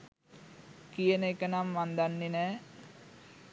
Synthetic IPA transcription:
kijənəekənamːand̪anːenɛː

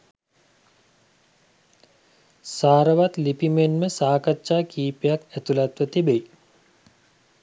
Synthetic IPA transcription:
saːɾəʋat̪lipimenməsaːkatːʃaːkiːpejakæt̪ulat̪ʋət̪ibej

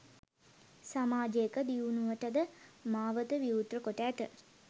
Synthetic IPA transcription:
samaːd͡ʒəekəd̪iunuʋəʈəd̪əmaːʋət̪əʋiut̪rəkoʈəːt̪ə̰

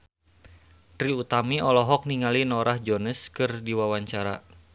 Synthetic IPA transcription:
t̪ɾiut̪amiɔlɔɦɔk̚niŋalinɔɾahd͡ʒɔnəskɨrdiwawaɲt͡ʃaɾa̰

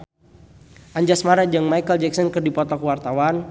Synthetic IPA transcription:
ʔaɲd͡ʒasmaɾad͡ʒɨŋmajkəld͡ʒɛksɔnkɨrdipɔt̪ɔkəwart̪awan

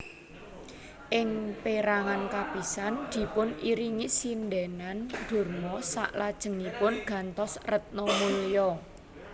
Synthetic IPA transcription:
ʔɪŋpeɾaŋankab̥i̤sand̪̥i̤pʊniɾiŋisinɖɛnand̪̥o̤rmɔsa̰ʔlad̥ʒ̥ə̤ŋipʊnɡ̥ä̤nt̪ɔsrət̪̚nɔmuljɔ

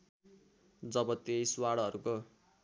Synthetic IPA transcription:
d͡zʌbʌt̪ejiswaɽʌʌɾuko

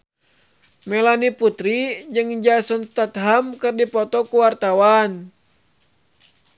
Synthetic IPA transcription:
mɛlaniput̪ɾid͡ʒɨŋd͡ʒasɔnst̪at̪ɦamkɨrdipɔt̪ɔkuwart̪awan

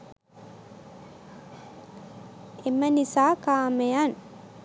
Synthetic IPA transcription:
emːɐnisaːkaːmejan

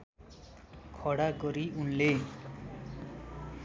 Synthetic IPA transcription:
kʰɔɽaɡɔɾiunle

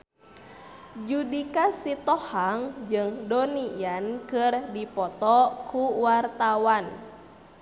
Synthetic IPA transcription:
d͡ʒudikasit̪ɔhaŋd͡ʒɨŋdɔnijankɨrdipɔt̪ɔkuwart̪awan

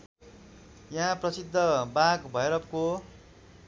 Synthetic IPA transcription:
jaɦãprʌsid̪ʱːʌbaɡbʱʌjɾʌpko

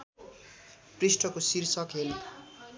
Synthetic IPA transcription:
prisʈʌkosirsʌkɦel

